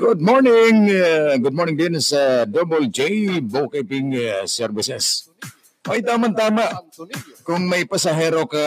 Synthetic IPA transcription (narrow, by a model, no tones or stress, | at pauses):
ɡʊd̪̚moɾnɪŋɡʊd̪̚moɾnɪ̃ŋd̪ɛnsad̪obold͡ʒejbokapɪŋsɛɾvɪsɛs | ʔojt̪amant̪amaʔkʊŋmajpasaɦɛɾoka